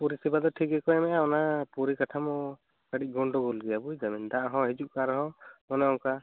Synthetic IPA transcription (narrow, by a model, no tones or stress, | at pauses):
puɾisibad̪ɔʈʰiɡɛkɔɛmɛʔaɔnapuɾikaʈʰamɔ | kaɖic̚ˀɡɔɳɖɔɡɔlɡɛjabujd͡ʒamind̪aʔaɦɔ̃ɦɛd͡ʒuʔkaɾɛɦɔ̃mɔnɛɔŋka